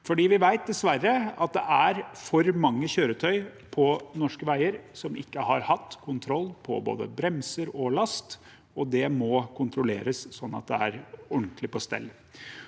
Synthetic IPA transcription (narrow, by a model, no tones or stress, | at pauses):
fɔɖiːʋɪʋæɪt̪̚d̪ɛsʋæɾːəɑt̪̚d̪ɛ̰ʔæɾfɔɾmɑŋːəçøːɾət̪ʰœʏpʰɔnɔʂkəʋæɪəɾsɔmʔɪ̰kːəhɑɾhɑt̪ːkʰʊnt̪ʰɾɔlːpʰɔ̰bo̰ːd̪ə̰bɾɛmsəɾɔlɑst̪ | ɔd̪ɛmɔkʰʊnt̪ʰɾʊlḛːɾəssɔnːɑ̰t̪̚d̪ɛ̰æɾɔɳt̪lɪpɔst̪ɛ̰lː